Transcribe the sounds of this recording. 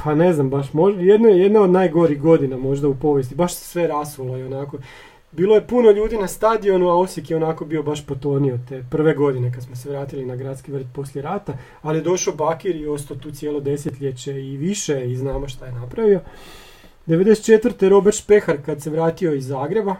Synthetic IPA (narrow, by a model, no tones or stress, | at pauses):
pʰane̞znambaʃmo̞ʒjed̪nojed̪naod̪naːjɡo̞ɾiɣɡo̞d̪inamo̞ʒd̪aupo̞ʋje̞st̪ibaʃse̥sʋe̞ɾasulˠo̞io̞nako̞ | biːlo̞je̞puno̞ʎuːd̪inast̪ad̪io̞nuaosjekjeo̞nako̞biobaʃpot̪o̞ːnio̞t̪e̞pr̩ʋe̞ɡo̞d̪ine̞kad̪smoseʋɾaːt̪ilinaɡɾad̪t̪skiʋr̩t̪̚po̞sljeɾaːt̪a | alijed̪o̞ʃaobakiɾio̞st̪ot̪uːt̪sjeːlˠo̞d̪e̞set̪ʎʲet͡ɕeiʋiʃeiznaːmoʃt̪ajenapɾaʋio̞ | d̪eʋed̪ese̥t̪t͡ʃet̪ʋɾt̪eɾo̞beɾt̪pe̞xaɾkad̪se̞ʋɾaːt̪io̞izːaːɡɾe̞ba